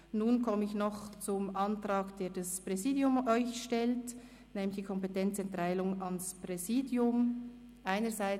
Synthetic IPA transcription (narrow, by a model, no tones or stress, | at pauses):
nuːnkʰɔməɪçnɔχt͡sʊmɑntrɑːɡd̥eːɐd̥ɑspʁ̥ɛziːdjʊmɔʏçʃtɛlt | nɛːmlɪçd̥iːkʰɔmpetɛnt͡sɛntʁaɪlʊŋɑnspʁɛziːdjʊm | ʔaɪnəzaɪ